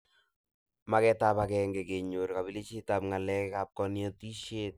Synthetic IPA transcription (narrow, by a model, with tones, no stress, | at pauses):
ma˨kɛtapa˨kɛŋɡe˨ke˨ɲo˨ɾka˨bi˦li˦t͡ʃi˦tapŋa˨lɛ˦kka˨p̚kɔ˦nɪ˦ɔ˦ti˦ʃe˦t̚